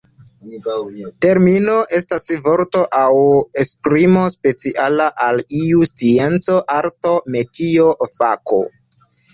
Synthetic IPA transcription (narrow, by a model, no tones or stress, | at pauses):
te̞ɾmino̞ʔe̞stasvo̞ɾto̞ʔawespɾimo̞spe̞t͡siʔalaʔaliust͡sie̞nt͡so̞ʔaɾto̞me̞tiofa̰ko̰